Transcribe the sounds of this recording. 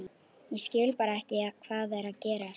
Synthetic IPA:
jɛscɪːlpaːɾaɛhcɪakʰvaːðɛɾaðcɛːɾa

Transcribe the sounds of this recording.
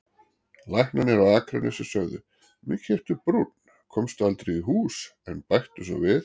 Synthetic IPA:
lajhnanɛɾawakʰɾɛnɛ̰sɪsœɣðʏ | mɪɛr̥t̪ʏpɾut̪n | kʰɔmst̪ʏalt̪ɾeiɦuːsɛnpajxt̪ʏs̬ɔ̰vɪθ

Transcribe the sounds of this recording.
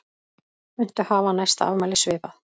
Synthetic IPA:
ʏn̥t̪ʏhaːvanajst̪aa̰vmaːjlɪsvɪːpaθ

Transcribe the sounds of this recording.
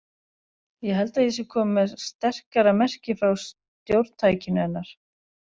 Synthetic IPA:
jɛɦɛlt̪aisɪkʰɔːmmɛðst̪ɛr̥kaɾamɛr̥cɪfɾaws | t̪jowɾtt̪ʰaːjcɪnʏɛnːaɾ̥

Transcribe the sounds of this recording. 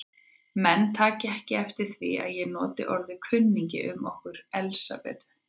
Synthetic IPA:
mɛnːt̪ʰaːcɪɛhcɪɛft̪ɪɾ̥θvḭa̰ðjɛnɔːt̪ɪʔɔɾðɪkʰʏnːiɲcɪ̰ʔʏmɔhkʏɾɛlsa̰pɛ̰ð

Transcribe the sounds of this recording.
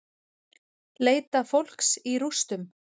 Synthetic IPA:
leːjt̪afowl̥ksiɾust̪ʏm

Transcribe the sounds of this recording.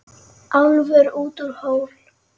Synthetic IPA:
ʔawlvɛɾuːt̪uɾhoːwl

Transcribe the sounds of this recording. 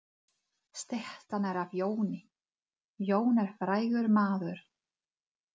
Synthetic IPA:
st̪ɛht̪anɛɾavjoːwnɪ | joːwnɛɾ̥fɾaːjɣʏɾmaːðʏɾ̥

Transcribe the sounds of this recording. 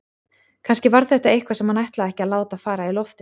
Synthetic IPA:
kʰanscɪvaɾθɛht̪aejhkvasɛmhanajht̪laðɛhcɪaðlaːwt̪afaːɾailɔft̪ɪ

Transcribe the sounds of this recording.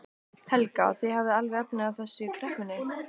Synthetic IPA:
hʰɛlkaa̰θihavðɪalvɪɛpnɪawθɛsːʏkʰɾɛhkʏnːɪ

